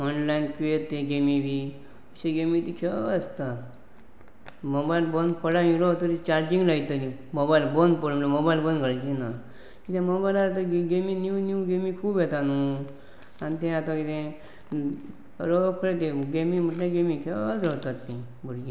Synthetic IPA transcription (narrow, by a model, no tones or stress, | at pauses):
ɔnlainkiet̪ːẽɡemiʋi | əɕẽɡemit̪ikʰeəst̪a | mobailbond̪pəɽamĩɾot̪əɾit͡ɕaɾd͡ʑĩŋɡlait̪əɾĩ | mobajilbond̪pəɽmlomobailbonɡəɭd͡ʑina | kit̪ẽmobajlaɾt̪əɡeminjunuɡemikʰuːbjɛt̪anu | anit̪ɛ̃at̪ãkit̪ẽ | ɾokʰəɭet̪̬eɡemim̤əʈlẽɡemikʰet͡sɾəɦt̪at̪ːĩ | buɾɡi